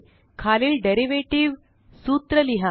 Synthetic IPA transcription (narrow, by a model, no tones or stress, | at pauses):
kʰaliːlɖeɾiʋeʈiʋ | suːt̪ɾəliɦa